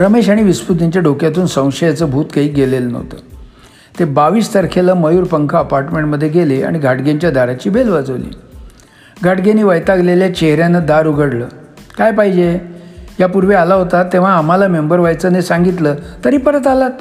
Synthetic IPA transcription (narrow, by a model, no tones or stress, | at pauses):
ɾəmeɕaɽ̃iʋispud̪niɲt͡ɕjaɖʱokjat̪uːnsə̃w̃ʂəjat͡səːbʱuːt̪kaiːɡelelnə̰ʋt̪ə̰ | t̪ebaʋiːst̪əɾkʰeləməjuːɾpəŋkʰaəpaɾʈmẽɳʈməd̪ʱːjeɡelea̰ɽ̃iɡʱaʈɡeɲt͡ɕjad̪ʱaɾat͡ɕiːbelʋad͡zəʋlḭː | ɡʱaʈɡeniːʋəjt̪aɡleljat͡ɕeɦɾjanəd̪aɾuɡʱəɽləː | kajpaɦid͡ʑejapuɾʋealaɦot̪at̪ːẽʋ̤aːm̤alamembəɾʋajt͡sənesãŋɡit̪ləːt̪əɾiːpəɾət̪alat̪